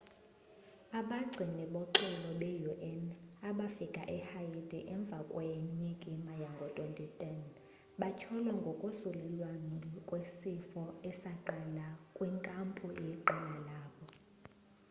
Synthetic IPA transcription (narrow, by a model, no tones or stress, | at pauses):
aɓaɡ͡ǀʱiniɓɔǁɛlɔɓɛjuʔɛnaɓafikʼa̰ʔɛhajidiʔɛɱb̪vʱakʼwajɛɲɲɛkʼimajaŋɡʱɔtʼontʼitʼɛn | ɓat͡ʃʰɔlwaŋɡʱokʼusulɛlwankʼwesifɔɛsaǃɛlakʼwiŋkʼampʼujɛǃɛlalaːɓɔ